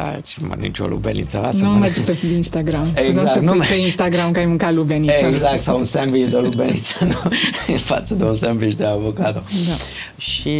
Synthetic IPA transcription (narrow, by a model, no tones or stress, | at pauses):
a̰t͡ʃma̰nḭt͡ʃo̰lṵbenḭt̪salasnomad͡ʒpeinst̪aɡɾamenuasɐpeinst̪aɡɾamkajmɨŋkalubenisaɡzakt̪sawunsemvit͡ʃd̪elubenit̪sanofa̰t̪səd̪eunsemvit͡ʃd̪eavokad̪od̪a | ʃi